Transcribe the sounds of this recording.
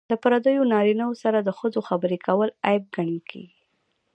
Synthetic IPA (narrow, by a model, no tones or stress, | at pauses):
ləpaɾad̪əjonɑɾinawosaɾad̪əxəzoxabəɾekʰawəlajɪb̚ɡaɳikʰḛɡi